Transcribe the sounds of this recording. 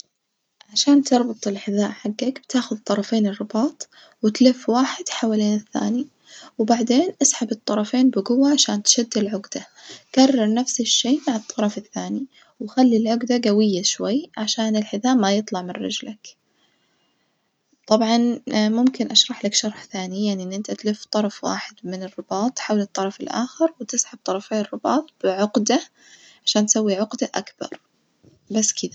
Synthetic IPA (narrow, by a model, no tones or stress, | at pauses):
ʕaʃaːnt̪ɨɾˤbʊt̪ˤɪlħɪðaːʔħaɡːakb̥t̪aːxʊðt̪ˤːɑɾˤɑfeːnɪrˤːɨbɑːt̪ˤ | wɪt̪lɪfwaːħɪd̪̥ħawaleːnɪθːa̰ːni | wbaʕd̪eːnʔasħabɨt̪ˤːɑɾˤɑfeːnbɪɡʊwːaʕaʃaːnt̪ʃad̪ːɪlʕʊɡd̪̥a | karˤːɑɾˤnafsɪʃːeːmaʕɨt̪ˤːɑɾˤɑfɪθːaːni | wxalːilʕʊɡd̪aɡawɪjːaʃwajʕaʃaːnɪlħɪðaːmmːajɨt̪ˤlɑʕmɪnɾɪ̰d͡ʒlak | t̪ˤɑbʕɑnmʊmkɪnʔaʃɾˤɑħlakʃɑɾˤħθaːnijaʕniʔɪnːʔɪnt̪at̪lɪft̪ˤɑɾˤɑfwa̰ːħɪd̪mɪnɪrːɪbɑːt̪ˤħawlɨt̪ˤːɑɾˤɑfɪlʔa̰ːxɪɾwɪt̪ɪsʕab̥̚t̪ˤɑɾˤɑfeːrˤːɪbɑːt̪ˤb̥ɪʕʊɡd̪a | ʕaʃaːnt̪sawːiʕʊɡd̪aʔa̰kb̥ɑ̰ɾˤ | basːkɪd̪ḁ